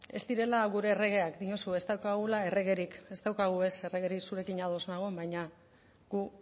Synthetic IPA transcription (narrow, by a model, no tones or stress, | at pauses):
e̞̰st̪iɾe̞laɣuɾe̞ːre̞ɣ̞e̞akd̪iɲo̞sue̞st̪awkaɣulae̞re̞ɣ̞e̞ɾike̞st̪awkaɣ̞ue̞se̞reɣeɾiksuɾe̞kiɲaðo̞znaɣ̞ombajɲa | ɡu